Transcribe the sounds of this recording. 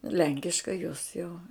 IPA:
ˈlʲɛŋʲkʲɪʃkɐɪ joːs jɛʊ

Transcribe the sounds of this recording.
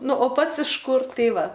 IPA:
ˈnʊ oː ˈpɐts ɪʃ ˈkʊr ˈtɐɪ ˈʋɐ

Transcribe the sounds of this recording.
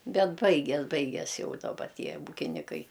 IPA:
ˈbʲɛt ˈbɐɪɡʲɛs ˈbɐɪɡʲɛs ˈjɛʊ dɐˈbɐ ˈtʲiɛ ˈuːkʲɪnʲɪkɐɪ

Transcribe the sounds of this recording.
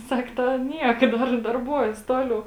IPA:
ˈsɐk ˈtɐ ˈnʲiɛk ˈdɐr dɐrˈbuɔjɛs ˈtoːˌlʲɛʊ

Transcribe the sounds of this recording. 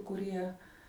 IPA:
kʊˈrʲiɛ

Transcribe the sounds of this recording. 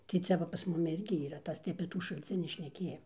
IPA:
tɐɪ ˈt͡sʲɛ ʋɐ pɐs ˈmʊmʲɪ ˈɪrʲɡʲɪ iːˈrɐ ˈtɐs tɐɪ ɐpʲeː ˈtuː ʃɐlʲˈt͡sʲɪnʲiː ʃʲnʲɛˈkʲeːjɛ

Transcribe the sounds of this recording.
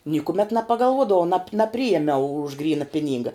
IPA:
nʲiːkʊˈmʲɛt nʲɛpɐɡɐlˠˈʋuɔdɐʋɐʊ nɐp nɐˈpʲrʲɪeːmʲɛʊ ʊʃ ˈɡrʲiːnɐ ˈpʲɪˌnʲiːŋɡɐ

